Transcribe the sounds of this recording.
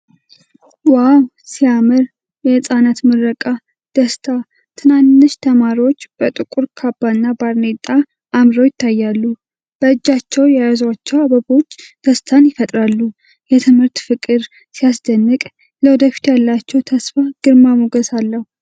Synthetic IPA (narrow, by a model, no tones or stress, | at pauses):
waw | siamɨɾ | jɛhɨsʼanat̪mɨɾːəkʼa | d̪̥əst̪ʰa | t̪ʰɨnanːɨʃt̪ʰəmaɾiwo̞t͡ʃːb̥ət̪ʼɨkʼuɾkʰabːanːabaɾnet̪ʼa | ʔːmɾowjɪt̪ʰːajːalːu | b̥əɨd͡ʒːat͡ʃːɛwjajazwat͡ʃːɛwabəbo̞t͡ʃːd̪̥əst̪ʰanjɪfət̪ʼɾalːu | jɛt̪ʰɨmhɨɾt̪fɨkʼɨɾ | sijasd̪ənːɨkʼ | ləwɔd̪əfi̥t̪ʰjalːat͡ʃːɛwt̪ʰəsfaɡ̥ɨɾmamoɡəsalːəhu